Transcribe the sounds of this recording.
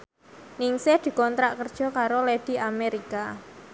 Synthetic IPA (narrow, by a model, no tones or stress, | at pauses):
niŋsɪhd̪̥i̤kɔnt̪ɾaʔkərd̥ʒ̥ɔ̤kaɾoled̥i̤ʔameɾika